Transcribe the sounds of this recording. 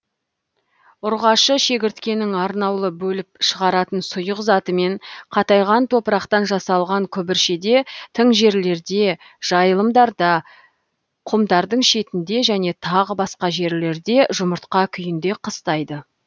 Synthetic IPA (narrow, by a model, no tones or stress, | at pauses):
ʊɾʁɑʃəʃe̞kʲɪɾt̪kʲe̞nɪŋɑɾnɑwlˠəbɵlɪp̚ʃəʁɑɾɑt̪ənsʊjəqzɑt̪əme̞ɴqʰɑt̪ɑjʁɑnt̪ʰo̞pəɾɑqt̪ɑnʒɑsɑlˠʁɑŋkʲʰɵbɪɾʃe̞d̪e̞t̪ʰəɴʒe̞ɾle̞ɾd̪e̞ | ʒ̥ɑjəlˠəmd̪ɑɾd̪ɑ | qʰʊmd̪ɑɾd̪əɴʃe̞t̪ɪnd̪e̞ʒæne̞t̪ʰɑʁəbɑsqɑʒe̞ɾle̞ɾd̪e̞ʒʊməɾt̪qɑkʲʰʏjɪnd̪e̞qʰəst̪ɑjd̪ə